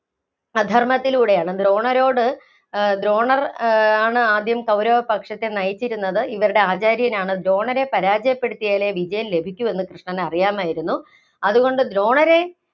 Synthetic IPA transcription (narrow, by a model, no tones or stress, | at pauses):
ɐd̪ʱɐrmɐt̪ːiluːɽe̞jaːɳɨd̪ɾo̞ːɳɐɾo̞ːɽɨ | d̪ɾo̞ːɳɐraːɳɨaːd̪jɐmkɐwɾɐʋɐpɐkʂɐt̪ːenɐjit͡ɕːiɾunːɐðɨiʋɐɾuɽe̞aːt͡ɕaːɾjɐnaːɳɨd̪ɾo̞ːɳɐɾe̞pɐɾaːd͡ʑɐjɐpːe̞ɽut̪ːijaːle̞ʋid͡ʑɐjɐmle̞bʱikʲːue̞nːɨkrɨʂɳɐnɐrijaːmaːjiɾunːu | ɐðuɣo̞ɳɖɨd̪ɾo̞ːɳɐɾe̞